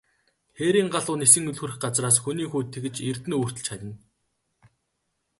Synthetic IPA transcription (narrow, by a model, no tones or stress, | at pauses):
xeɾiːŋɢaɮʊːnesɘ̆ŋɵɮxɘ̆rɘ̆xɢat͡sraːsxuniːxuːt̪ʰːeɣɘ̆t͡ɕer̥t̪ɘ̆nuːr̥t̪ɵ̆ɮt͡ɕχatʲə̆n